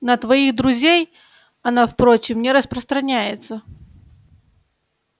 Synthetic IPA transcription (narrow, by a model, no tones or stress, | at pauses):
nət̪vɐiɣd̪ɾʊzʲej | ɐnafpɾot͡ɕɪmnʲɪɾəspɾəst̪ɾɐnʲæjɪt̪sə